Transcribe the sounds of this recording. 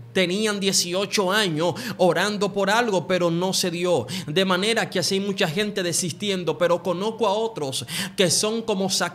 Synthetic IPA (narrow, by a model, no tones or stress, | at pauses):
t̪e̞niand̪je̞sio̞t͡ʃo̞aɲosoɾand̪opo̞ɾalɣo̞pe̞ɾo̞no̞se̞ðjo̞d̪e̞mãne̞ɾakeasajmut͡ʃaxe̞nt̪e̞ðe̞sist̪je̞nd̪o̞pe̞ɾo̞ko̞no̞skoao̞t̪ɾo̞ske̞so̞ŋko̞mo̞sa